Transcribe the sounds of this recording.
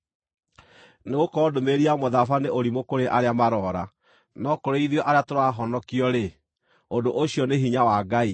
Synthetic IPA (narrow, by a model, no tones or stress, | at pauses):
neɣokɔdomeɾiamoðafaneʔoɾimokoɾeʔaɾeamaɾɔɾa | nɔkoɾeiðjɔʔaɾeatoɾaɦɔnɔkiɔɾe | ondoʔoɕiɔneɦiɲawaɡai